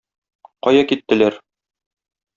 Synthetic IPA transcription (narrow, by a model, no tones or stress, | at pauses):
qɒjɑkit̪ːɘ̆læɾ